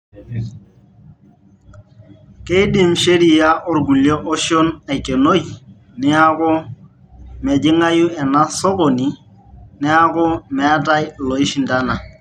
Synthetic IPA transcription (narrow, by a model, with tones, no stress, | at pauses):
ke˦i˦dɪ˦˨mʃe˦ɾi˨ja˦ʔɔ˨rɡu˨ljo˦ʔɔ˦ʃo˦na˨ke˨no˦j | nɪ˦a˦kʊ˦ | mɛ˨d͡ʒɪ˦ŋa˦ju˦ɛ˨na˦sɔ˦ko˨ni˨ | nɪ˦a˦kʊ˦mɛ˨a˦ta˦jlɔ˨i˦ʃi˨nda˦na˨